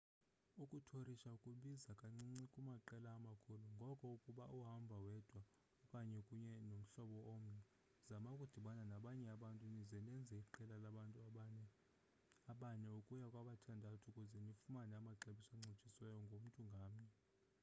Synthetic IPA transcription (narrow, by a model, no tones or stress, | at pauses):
ukʼutʰoriʃaukʼuɓizakʼaŋ͡ǀiŋ͡ǀikʼumaǃɛlaːmakʰoluŋɡʱɔkʼɔukʼuɓaʔuɦambʱawɛd̥ʱwa | ɔkʼaɲɛkʼuɲɛnom̩ɬɔɓɔʔom̩nɛ | zamaukʼud̥ʱiɓananaɓaɲɛaɓantʼunizɛnɛnd͡zʱɛiǃɛlalaɓantʼ | aɓaɲɛukʼujakʼwaɓatʰandʱatʰukʼuzɛnifumanamaǁeɓisaŋ͡ǀʱit͡ʃʼiswɛjɔŋɡʱom̩tʼuŋɡʱaːmɲɛ